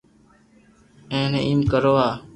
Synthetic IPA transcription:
ẽːneʔiːmkəɾoːaː

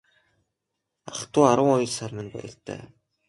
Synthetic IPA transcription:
aχt̪ʊːaɾwə̆ŋɔjɞ̆ɮsarmɘ̆npæ̰jə̆ɬt̪ʰæ̰ː

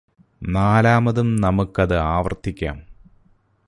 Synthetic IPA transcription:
naːlaːmɐðumnɐmukːɐðɨaːʋɐ̰rt̪ʰːikʲːa̰ːm

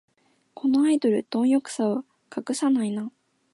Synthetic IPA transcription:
kʰo̞no̞aid̪o̞ɾɯ̟t̪õ̞ɰ̃jo̞kɯ̟̥sao | kakɯ̟sanaina

